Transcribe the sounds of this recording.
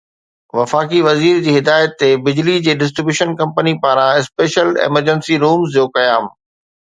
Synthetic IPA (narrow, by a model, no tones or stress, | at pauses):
ʋɐfaːkiʋɐziːɾd͡ʑiːɦɪd̪aːjət̪ːebɪd͡ʑlid͡ʑeːɖɪs̬ʈɾɪbjuːʃənkɐ̃mpənipaːɾãɪspeːʃəlḛməɾd͡ʑənsiɾuːmzd͡ʑoːkɐjaːm